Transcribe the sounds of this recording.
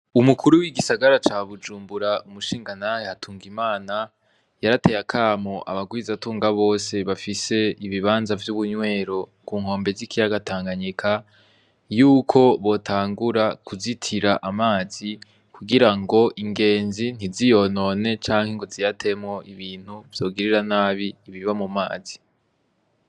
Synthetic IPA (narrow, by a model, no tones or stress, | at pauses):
umukʰuɾuwiɡisaɡaɾat͡ʃaːβud͡ʒuːmbuɾaumuʃiːŋɡanahehatʰuːŋɡimaːna | jaɾate̞jakʰaːmoʔaβaɡwizatuːŋɡaβo̞ːse̞βafise̞iβiβaːnzavjuβuɲwe̞ːɾo̞kuːŋho̞ːmbe̞zikʰijaɡatʰaːŋɡaɲikʰa | juːkʰo̞βo̞tʰaːŋɡuɾakuzitʰiɾaʔamaːz̥i | kuɡiɾaŋɡo̞ʔiŋɡe̞ːnzin̥izijo̞no̞ːne̞t͡ʃaːŋhe̞ŋɡozijatʰe̞mŋo̞ʔiβiːn̥huv̥jo̞ːɡiɾiɾanaːβiːβiɾiβamumaːz̥i̥